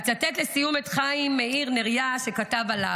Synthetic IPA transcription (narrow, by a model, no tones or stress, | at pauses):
t͡satet̪lesijumet̪χaimːeiʁneʁjaʃe̞katavala